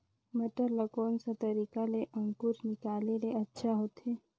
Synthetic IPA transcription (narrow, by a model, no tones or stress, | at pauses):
məʈəɾləkoːnsat̪ɐɾiːkaleʔɐ̃ŋkuɾnɪkaːleɾeɐtːʃʰaɦoːt̪ɦeː